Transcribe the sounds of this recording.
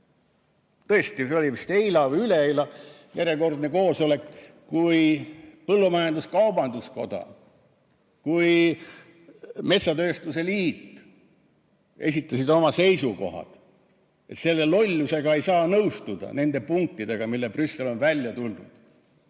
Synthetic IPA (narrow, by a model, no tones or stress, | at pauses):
t̪ɤest̪iseolʲivist̪ejlɑvyleejlɑjeɾeko̞rd̪neko̞ːso̞le̞k | kujpɤlːumɑjɑnd̪uskɑwbɑnd̪usko̞d̪̥ɑ̰ | kuj | me̞t̪sɑt̪ø̞ːst̪use̞liːt̪ | e̞s̬ʲit̪ːˑɑsid̪o̞mɑse̞jsuko̞̰ɦɑ̰d̪̥ | e̞t̪se̞lːe̞lo̞lʲːuse̞ɡ̥ɑe̞jsɑːnɤwst̪ud̪̥ɑ̰ne̞nd̪̥e̞puŋk̚t̪ːid̪e̞ɡ̥ɑmilːeprysːelo̞nvælʲjɑt̪ulnṵd̪̥